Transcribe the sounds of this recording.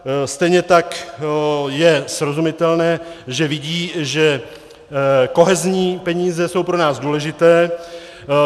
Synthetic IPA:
st̪ɛjɲɛt̪ak | jɛsɾo̞zumɪt̪ɛlnɛːʒɛvɪɟiːʒɛ | ko̞ɦɛzɲiːpɛɲiːzɛso̞wpɾo̞naːzduːlɛʒɪt̪ɛː

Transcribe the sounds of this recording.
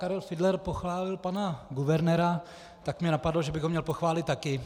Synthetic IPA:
kaɾɛlfɪdlɛɾpo̞xvaːlɪlpanaɡuvɛɾnɛɾa | t̪akmɲɛnapadloʒɛbɪɣɦomɲɛlpo̞xvaːlɪt̪̚t̪ːakɪ

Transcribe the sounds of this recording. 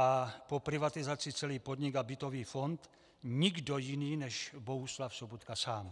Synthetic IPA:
apo̞pɾɪvat̪ɪzat͡sɪt͡sɛliːpod̪ɲɪɡabɪt̪o̞viːfo̞nt̪ | ɲɪɡdo̞jɪniːnɛʃbo̞ɦuslafsobot̪kasaːm

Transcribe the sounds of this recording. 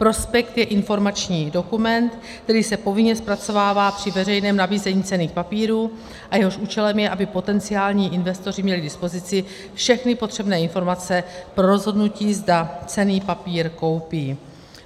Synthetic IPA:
pɾo̞spɛkt̪jɛʔɪnfo̞ɾmat͡ʃɲiːdo̞kumɛnt̪ | kt̪ɛɾiːsɛpo̞vɪɲɛspɾat͡so̞vaːvaːpr̝̥ɪvɛr̝ɛjnɛːmnabiːzɛɲiːt͡sɛniːxpapiːɾuː | ʔajɛɦo̞ʃʔuːt͡ʃɛlɛmjɛʔabɪpo̞t̪ɛnt͡sɪaːlɲiːʔɪnvɛst̪o̞r̝ɪmɲɛlɪdɪspo̞zɪt͡sɪ | fʃɛxnɪpo̞t̪r̥ɛbnɛːɪnfo̞ɾmat͡sɛpɾo̞ɾo̞zɦo̞dnuciːzdat͡sɛniːpapiːɾko̞wpiː

